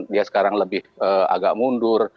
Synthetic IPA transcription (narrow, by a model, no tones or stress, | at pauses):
diasə̥kaɾaŋləbɪhəa̰ɡaʔmundʊr